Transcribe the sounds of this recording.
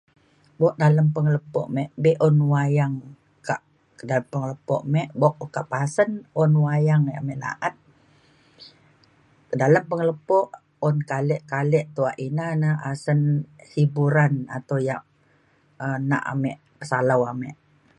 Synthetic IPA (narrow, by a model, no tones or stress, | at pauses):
bɔʔ̚daləmpəŋələpɔ̰ʔmɛʔbɛʔɔnwajaŋ | kaʔ | kədaləmpəŋələpɔ̰ʔmɛʔbɔk̚kaʔpasənɔnwajaŋamɛʔla̰ʔət̪̚ | kədaləmpəŋələpɔʔ | ɔnkalɛʔkalɛʔt̪uaʔinanəasənsibuɾana̰t̪awjaʔ | əna̰ʔa̰mɛʔ | pə̥salawamɛʔ